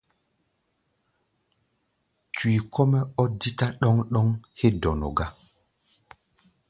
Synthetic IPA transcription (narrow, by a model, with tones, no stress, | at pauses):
twi˨kʰɔ˦mɛ˦ɔ˦di˦ta˦ɗɔ˦ŋɗɔ˦ŋhe˦dɔ˨nɔ̰˨ɡa˦